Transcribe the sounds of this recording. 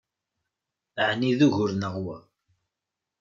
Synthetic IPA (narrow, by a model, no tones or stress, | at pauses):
əʕniðuʝʊɾnəʁwæ̰